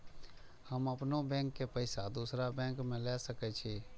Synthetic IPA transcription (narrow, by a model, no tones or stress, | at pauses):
həməpnobɛ̃ːŋkːepəɪsad̪uːsɾabɛ̃ːŋkmẽlɛsəkɛt͡ʃʰi